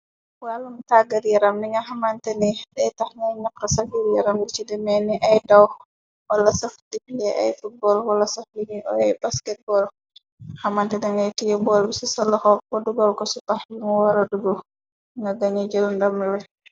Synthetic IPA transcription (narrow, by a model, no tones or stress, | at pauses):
walumtaɡaɾjɛɾamniŋɡaɦamantɛnɛɗɛtahnɛɲakːasafiljɛɾamdit͡ʃidɛmɛniʔajdaw | walːasafdipilɛʔa̰jfut̚bɔlwalːasafliɲiʔɔ̰ajbaskɛt̚bɔl | hamantɛdɛŋɡajtijɛbɔlbisisalːaxɔkɔduɡɔlkɔsupahuŋɔwaɾaduɡɔ | ŋɡaɡaɲɛd͡ʒɔlndamwɛ